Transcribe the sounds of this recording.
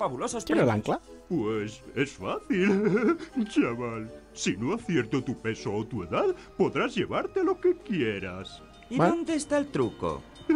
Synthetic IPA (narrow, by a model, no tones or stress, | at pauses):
faβulososenela̰ŋlapwesesfaθil | d͡ʒaβal | sinoaθjeɾt̪ot̪upe̞soːt̪ue̞ðað | po̞ðɾazʝe̞βaɾt̪e̞lo̞ke̞kjeɾas | iond̪e̞ːst̪aelt̪ɾuko̞̰